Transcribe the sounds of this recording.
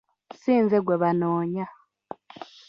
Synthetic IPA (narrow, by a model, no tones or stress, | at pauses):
siːnzeɡweβanoːɲa